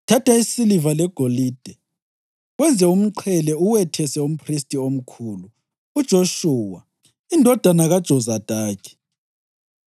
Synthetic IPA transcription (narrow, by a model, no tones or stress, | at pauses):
tʰatʰaisilivalɛɡ̥ʱoliːd̥ʱɛ | ɣwɛnd͡zʱɛum̩ǃʰɛlɛuwɛtʰɛsɛum̩pʰristʼiom̩kʰuːluː | d̥ʒ̥ʱoʃuːwa | indʱɔd̥ʱanaɣad̥ʒ̥ʱɔzad̥ʱaːkʰɛ̥